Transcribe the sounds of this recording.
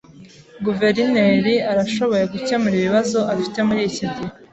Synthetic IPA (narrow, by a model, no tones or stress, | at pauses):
ɡuve̞ɾineɾiaɾaʃo̞βo̞jeɡucemuɾiβiβazo̞ʔafi̥te̞muɾicidi